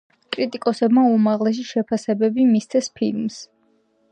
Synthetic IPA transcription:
kʼɾit̪ʼikʼɔsɛbmaumaʁlɛs̬iʃɛpʰasɛbɛbimist̪sʰɛspʰḭlms

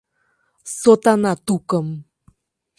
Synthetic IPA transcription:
sot̪anat̪ukəm

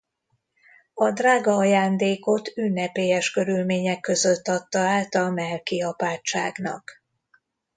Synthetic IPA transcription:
ɒd̪raːɡɒɒjaːnd̪eːko̞t̪ynːɛpeːjɛʃkø̞ɾylmeːɲɛkːø̞zøt̪ːɒt̪ːɒaːlt̪ɒmɛlkiɒpaːt͡ʃaːɡnɒ̰k

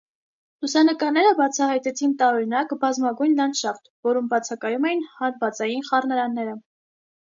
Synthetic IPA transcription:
lusɑnəkɑɾnɛɾəbɑt͡sʰɑhɑjt̪ɛt͡sʰint̪ɑɔɾinɑkbɑzmɑɡujnlɑnʃɑɾt̪vɔɾumbɑt͡sʰɑkɑjumɛjinhɑɾvɑt͡sɑjinχɑrnəɾɑnːɛɾə

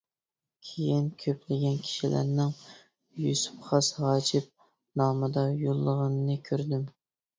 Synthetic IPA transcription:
kʲʰejinkʲʰøpʰlɪɡʲɛnkʲʰi̥ʃilʔæ̰ɾnɪŋ | jusu̥pχɑsʁɑːd͡ʒɪp̚ | nɑːmɨd̪ɑjolˠːəʁənɨnɨkʲʰøɾd̪ɪm

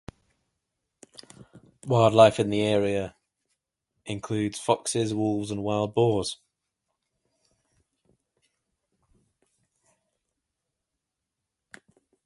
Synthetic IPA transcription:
waɪlˠdˡlaɪfɪ̃nðiɛːɹiə | ɪ̃nkʰl̥ʉːdz̥fɒksɪzwʊlˠvzə̃nwaɪlˠd̚bɔːz̥

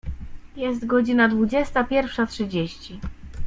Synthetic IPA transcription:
jɛst̪ɡɔd͡ʑinad̪vud͡ʑɛst̪apʲjɛɾfʂatʂɘd͡ʑeɕt͡ɕi

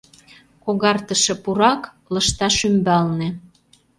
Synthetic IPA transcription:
koɣɑrt̪əʃĕpuɾɑk | lə̆ʃt̪ɑʃymbɑlnĕ

